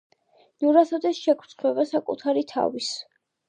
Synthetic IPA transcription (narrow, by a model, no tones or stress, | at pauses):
nuɾat̪ʰɔd̪ɛsʃɛkʰɾ̥t̪χʰwɛbasakʼṵt̪ʰaɾit̪ʰa̰vis